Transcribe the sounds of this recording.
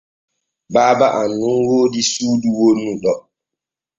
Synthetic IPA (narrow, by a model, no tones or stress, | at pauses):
baːbaʔanːunwoːdisuːduwonːuɗɔ